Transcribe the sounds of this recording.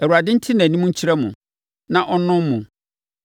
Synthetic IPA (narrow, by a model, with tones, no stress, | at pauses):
æ˨wu˨a˨dɪ̃˦n̩˦tʰɪ˦nã˨nĩ˦mũ˦ɲ̩˦t͡ɕʰi˦ɾɛ˦mʊ̃˨ | nã˨ʔɔ˦nʊ̃˦mmːʊ̃˨